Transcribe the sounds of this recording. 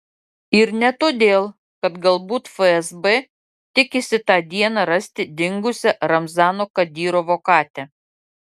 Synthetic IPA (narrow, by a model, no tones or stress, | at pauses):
ɪɾnʲɛt̪oːd̪ʲeːlˠ | kɐt̪ɡɐlˠbuːt̪fəɛzbɛ | t̪ʲɪkʲɪsʲɪt̪ɑːd̪ʲiɛnɑɾɐsʲt̪ʲɪd̪ʲɪŋɡʊsʲɛɾɐmzɑːnoːkɐd̪ʲiːɾoːʋoːkɑːt̪ʲɛ